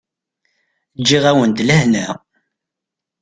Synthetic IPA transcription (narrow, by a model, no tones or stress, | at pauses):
d͡ʒːiʁæwənd̪ləhnæ